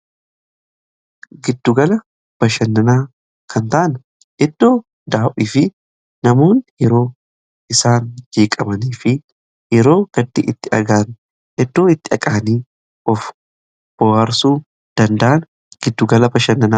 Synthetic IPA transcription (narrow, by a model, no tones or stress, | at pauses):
ɡɪd̪ːʊɡɐlɐ | b̥ɐʃɐnːɐnaː | kʰɐnt̪ɐʔɐn | ʔɛd̪ːo̞ː | d̪aːʔiːfɪ | nɐmo̞ːnjɛɾo̞ː | ɪsaːnd͡ʒeːkʼɐmɐniːfɪ | jɛɾo̞ːɡ̥ɐd̪ːḭʔɪt̪ːɪʔɐɡaːn | ʔɛd̪ːoːɪt̪ːɪɐkʼaːniː | ʔɔf | b̥ɔwɐɾsuː | d̪̥ɐnd̪ɐʔɐn | ɡ̥ɪd̪ːʊɡɐlɐbɐʃɐnːɐnaː